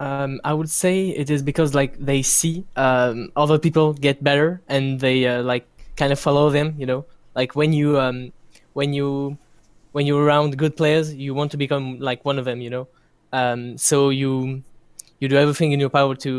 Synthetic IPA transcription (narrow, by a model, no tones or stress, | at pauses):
ʌma̰ɪwɨdseɪɪ̰ɾɪzbɨkʰʌzlaɪkðeɪsiʌmʔɔlˠðəpipl̩ˠɡɛt̚b̥ɛɾə˞ɨ̃nðeɪʌlaɪkʰːãɪ̃ndʌfɑlˠoʊðɨ̃mjɨnoʊlaɪkʰwɛ̃njɨʌ̃m | wɨ̃nju | wɛ̃njəə˞ãʊ̃ndɡʊd̚pʰl̥eɪə˞zjɨwɑ̃ntʰubɨkʰʌ̃mlaɪkwʌ̃nʌvðɨ̃mjɨnoʊ | ʌ̃msoʊjɨ | jɨdɨɛvɹiθɪ̃ŋkɨ̃njə˞paʊə˞tʰɨ